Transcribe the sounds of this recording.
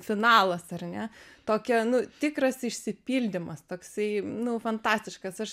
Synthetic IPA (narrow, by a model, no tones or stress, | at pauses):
fʲɪnɑːlˠɐsɐrnʲɛt̪oːkʲɛnʊt̪ʲɪkɾɐsɪʃʲsʲɪpʲiːlʲd̪ʲɪmɐst̪oːksɐɪnʊfɐnt̪ɑːsʲt̪ʲɪʃkɐsɐʃ